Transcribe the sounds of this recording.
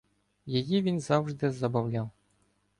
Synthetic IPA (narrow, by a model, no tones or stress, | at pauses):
jajivʲinzawʐd̪ɨzɐbawlʲaw